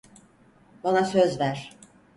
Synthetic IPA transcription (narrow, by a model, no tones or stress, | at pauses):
banasøzvæɾ̥